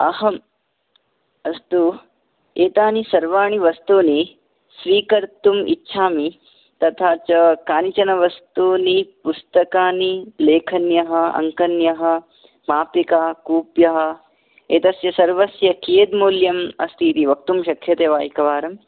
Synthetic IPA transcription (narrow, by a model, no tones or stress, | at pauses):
ɐɦɐm | ɐst̪u | eːt̪aːnisɐɾʋaːɳ̃iʋɐst̪uːni | sʋiːkɐɾt̪umḭtːʃʰaːmi | t̪ɐt̪ʰaːt͡ʃɐkaːnit͡ʃɐnɐʋɐst̪uːnipust̪ɐkaːnileːkʰɐnjɐɦɐ̆ɐ̰ŋkɐnjɐɦɐ̆ | maːpikaːkuːpjɐɦɐ̆ | eːt̪ɐsjɐsɐɾʋɐsjɐkieːd̪muːljɐmɐ̰st̪ʰiːt̪iʋɐk̚t̪umʃɐkʰːjɐt̪eːʋaːjikɐʋaːɾɐm